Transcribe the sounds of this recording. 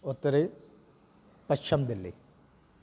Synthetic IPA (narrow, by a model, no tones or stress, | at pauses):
ot̪ːɐɾe | pɐt͡ʃʰːɐmd̪ilːḭ